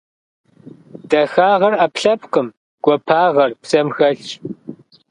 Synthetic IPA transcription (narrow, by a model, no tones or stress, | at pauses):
d̥ɐxaːʁɐrɐpɬɐpqəm | ɡ̥ʷɔpʰaːʁɐrpsɐmxɐɬt͡ʃʼ